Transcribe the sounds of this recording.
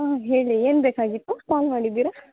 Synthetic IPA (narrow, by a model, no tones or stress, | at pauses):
aːɦe̞ːɭieːnbeːkaːɡit̪ːupaːlmaːɽid̪ːiːɾa